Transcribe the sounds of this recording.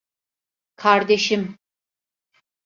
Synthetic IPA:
kʰaɾd̪eʃim

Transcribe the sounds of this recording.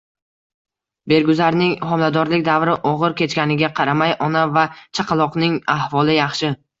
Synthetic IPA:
be̞ɾɡʲʊzaɾnɪŋhɒmlad̪ɒɾlɪkʲd̪avɾɪʔɒʁɨɾkʲe̞t͡ʃkʲanɪɡʲaqʰɑɾamajɒnavat͡ʃʰɑqʰɑlˠɒqnɪŋahvɒlˠɪjɑχʃɪ

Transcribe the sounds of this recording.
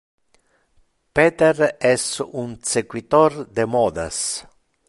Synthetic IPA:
pet̪eɾɛsunt͡sekwit̪ɔrd̪emɔːd̪a̰s

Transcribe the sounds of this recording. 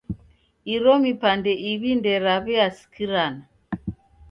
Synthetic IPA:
iɾɔmipandɛʔiβindɛɾaβɛasi̥kʰiɾana

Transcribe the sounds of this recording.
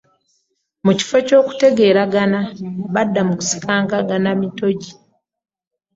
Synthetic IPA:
muci̥fo̞co̞ːku̥te̞ɡe̞ːɾaɡanaβadːamukusi̥kaːŋɡaɡanamito̞ɟi

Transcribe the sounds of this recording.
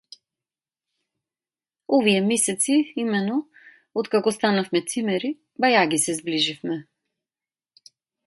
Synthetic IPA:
ɔviɛmɛsɛt̪siimɛnɔ | ot̪kakɔst̪anafmɛt̪simɛɾi | bajaɡisɛzbliʒifmɛ

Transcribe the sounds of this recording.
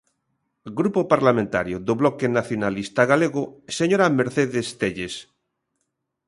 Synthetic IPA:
ɡɾupopaɾlamẽnt̪a̰ɾjoðoβlɔkenaθjonalist̪aɣaleɣoseɲoɾameɾθeðest̪eʎes

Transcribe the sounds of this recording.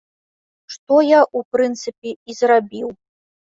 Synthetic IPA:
ʂt̪ɔjaʔupɾɨnt̪sɨpʲɛizrabʲiw

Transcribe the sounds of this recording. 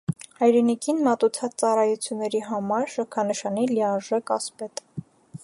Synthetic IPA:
hɑjɾɛnikʰinmɑt̪ut͡sʰɑt͡st͡sɑrɑjut͡sʰjunːɛɾiɦɑmɑɾʃəkʰɑnəʃɑniliɑnʒɛkɑspɛt̪

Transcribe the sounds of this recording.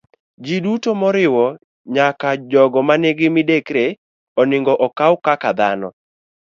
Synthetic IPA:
d͡ʒidutomɔɾɪwɔ | ɲakad͡ʒɔɡɔmaneɡɪmɪdekɾe | ɔnɪŋɡɔʔɔkawkakad̪anɔ̰

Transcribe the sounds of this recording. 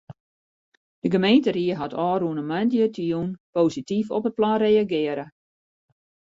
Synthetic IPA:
d̥əɡəmejntəɾiəɦatʰɔːruənəmɛndjətijunpositifɔpət̚planreːaɡɪəɾə

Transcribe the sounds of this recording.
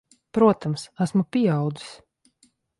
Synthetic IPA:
pɾuɔt̪amsæsmupʲiɛɑwd̪zi̥s

